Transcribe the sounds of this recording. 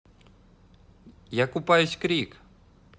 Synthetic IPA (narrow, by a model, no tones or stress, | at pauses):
jakʊpajʊsʲkɾʲik